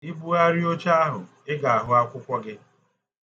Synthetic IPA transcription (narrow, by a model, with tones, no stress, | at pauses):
i˦bu˦a˦ɾi˦o˦t͡ʃa˦a˦ɦʊ˨ | ɪ˦ɡa˨a˨ɦʊ˦a˦kʷʊ˦kʷɔ˦ɡɪ˦